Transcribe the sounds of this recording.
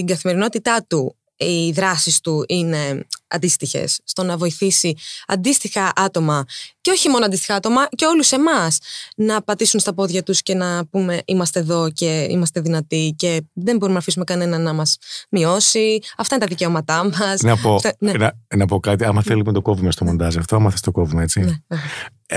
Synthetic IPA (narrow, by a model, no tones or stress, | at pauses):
t̪iŋɡɐθime̞ɾino̞t̪it̪ɐt̪u | iðɾɐsist̪uʔine̞ɐ̰nd̪ist̪içe̞̰sːt̪o̞nɐvo̞iθisiɐ̰nd̪ist̪ixɐʔɐt̪o̞mɐceo̞çimo̞noɐndist̪i̥xɐɐt̪o̞mɐce̞o̞luse̞mɐsnɐpɐt̪isunst̪ɐpo̞ðʝɐt̪usce̞nɐpume̞ʔimɐst̪eːðo̞ce̞ḭmɐst̪e̞ðinɐt̪ice̞ðe̞mbo̞ɾumenɐfisumekɐne̞nɐnːɐmɐzmio̞siɐft̪ɐinet̪ɐðice̞o̞mɐt̪ɐmɐsnɐpoenenɐnɐpo̞kɐt̪iɐmɐθelimet̪o̞ko̞vimest̪omo̞nd̪ɐziɐft̪oɐmɐθest̪o̞ko̞vimeet͡sine